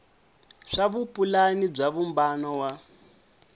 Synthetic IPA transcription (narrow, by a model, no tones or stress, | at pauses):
ʂaβupʼulanib͡ʐaβumbanɔwa